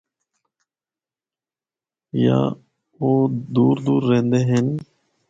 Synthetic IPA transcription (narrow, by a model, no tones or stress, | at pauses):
ja̰ː | oːd̪uːɾd̪uːɾːẽːnd̪eːɦən